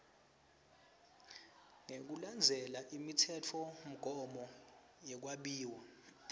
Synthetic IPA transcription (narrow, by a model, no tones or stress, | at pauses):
ŋek̬uland͡zʱɛlaʔimitʰɛt͡fʰɔm̩ɡ̥ʱɔmɔ | jɛk̬waɓiːwa